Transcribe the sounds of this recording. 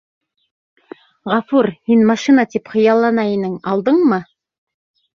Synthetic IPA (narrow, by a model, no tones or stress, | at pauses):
ʁɑfuɾhinmɑʃinat̪ipχɤ̆jɑlˠːɑnɑenɪŋɑlˠd̪ɤɴmɤ